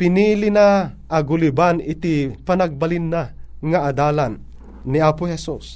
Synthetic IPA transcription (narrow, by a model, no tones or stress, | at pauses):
pɪniːlinaʔɐɡʊlibanɪt̪ipanaɡ̚bɐlinːaŋaʔad̪aːlanː | iaːpʊhɛsus